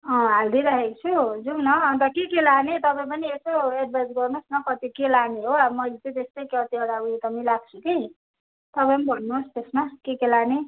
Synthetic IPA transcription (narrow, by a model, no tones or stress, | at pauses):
ʌ̃ɦald̪iɾaɦekt͡sʰud͡zunʌʌnt̪ʌkekelanet̪ʌpaĩp̬ʌniesoeɖ̚bajsɡʌrnosnʌkʌt̪ikelaneɦoamʌlt͡sʌt̪est̪ʌjkʌt̪iʌɽauet̪ʌmilaɡ̚t͡sʰuki | t̪ʌpajnibʱʌnːust̪esmakekelane